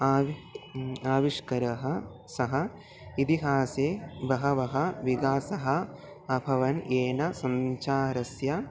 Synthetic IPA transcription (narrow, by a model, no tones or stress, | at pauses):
aːʋ | aːʋiʂkɐɾɐɦɐ | sɐɦɐ | it̪iɦaːseːbʱɐɦɐʋɐɦɐʋiɡaːsɐɦɐ | ɐbʱɐʋɐnʔeːnɐsɐɲt͡ʃaːɾɐsjɐ